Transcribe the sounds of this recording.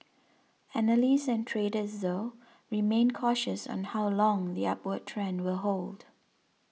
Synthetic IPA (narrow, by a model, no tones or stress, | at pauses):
ænəlisɛ̃ntʰɹedəsðo | ɹimẽnkʰɔʃəsɔ̰̃nhawlɔ̃ŋðiapwəd̚tʰɹɛ̃nwəɦold